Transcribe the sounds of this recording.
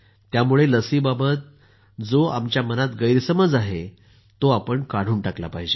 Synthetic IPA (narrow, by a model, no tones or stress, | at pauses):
t̪jamuɭeləsiːbabət̪̚ | d͡zoa̰mt͡ɕjamənat̪ɡəjɾsəməd͡zaɦe | t̪oapəɳkaɽ̤uːnʈakla̰paɦid͡ʑe